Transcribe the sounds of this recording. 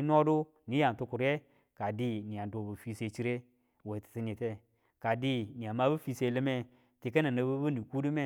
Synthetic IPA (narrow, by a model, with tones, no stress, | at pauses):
no˦du˦ | ni˨˦a˨ntu˧ku˨ɾe˦ | ka˨di˦ni˨a˨n˨do˨bu˨fi˧se˧˨t͡ʃi˦ɾe˦ | we˨ti̥˨ti˧n˨i˨te˦ | ka˨di˦ni˨a˨ma˦bu˦fi˧se˧˦le˧me˦ | ti˨kə˦na˨na˨bu˦bu˦ni˨ku˦du˦me˦˨